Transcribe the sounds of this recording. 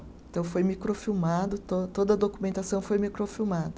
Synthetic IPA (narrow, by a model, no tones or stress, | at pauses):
ẽt̪ɐ̃w̃fojmikɾofiwmad̪ʊt̪ot̪od̪ɐd̪okumẽnt̪asɐ̃w̃fojmikɾofiwmad̪ɐ